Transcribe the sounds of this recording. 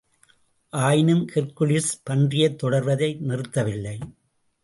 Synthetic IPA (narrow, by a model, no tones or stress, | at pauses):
ʔaːjɪnɯmkɪɾkɯlɪspɐndrɪjɐt̪ːɔɽɐɾʋɐðɐɪnɪrɯt̪ːɐʋɪlːɐɪ